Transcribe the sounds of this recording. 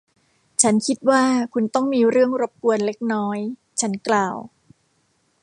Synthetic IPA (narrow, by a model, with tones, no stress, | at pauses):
t͡ɕʰa˦˥nkʰi˦˥t̪̚waː˥˩kʰu˧nt̪ɔ˥˩ŋmiː˧ɾɯ˥˩əŋɾo˦˥p̚ku˧ənle˦˥k̚nɔː˦˥j | t͡ɕʰa˦˥nklaː˧w